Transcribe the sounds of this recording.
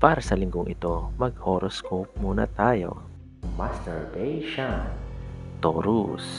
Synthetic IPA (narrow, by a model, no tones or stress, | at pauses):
paːɾɐsɐlɪŋɡoŋʔɪt̪o̞mɐɡ̚hoɾoskowp̚muːnɐ̰t̪aːjo̞̰ | mast̪ɛɹbejʃan | t̪oɾus